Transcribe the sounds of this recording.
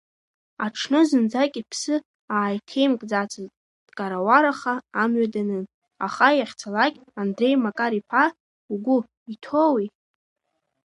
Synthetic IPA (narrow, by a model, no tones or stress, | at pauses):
aʈ͡ʂʰnɨzɨnd͡zakʲʼipʰsɨ | aːjtʰe̞jmkʼd͡zat͡sʼʰa | d̥kʼaɾawaɾaχaːmɥadanɨ | a̰χajaχʲt͡sʰalakʲʼandre̞jmakʼaɾipʰa | uɡʷʊ | itʰowi